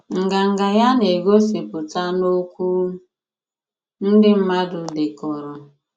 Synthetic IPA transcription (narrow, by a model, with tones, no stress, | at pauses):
ŋ̩˨ɡa˨ŋ̩˨ɡa˨ja˦ne˨ɡo˦si˨pʊ˨ta˦no˦kʷu˦ | n̩˦dɪ˦m̩˦ma˦dʊ˨dɪ˨kɔ˨ɾɔ˨